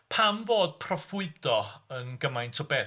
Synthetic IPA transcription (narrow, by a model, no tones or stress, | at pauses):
pʰamvoːd̥̚pʰrɔfʊɨdɔənɡəmajntʰɔbɛ